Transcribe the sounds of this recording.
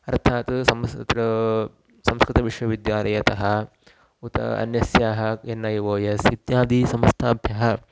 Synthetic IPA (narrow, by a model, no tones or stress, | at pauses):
ɐɾt̪ʰaːt̪sɐmt̪ɾɐ | sɐmskɾɪt̪ɐʋiʃʋɐʋid̪jaːlɐjɐt̪ɐɦɐ | ut̪ɐ̰ɐ̰njɐsjaːɦɐenːɐjʋoːjɐsit̪jaːd̪isɐmɐst̪ʰaːbʱjɐɦɐ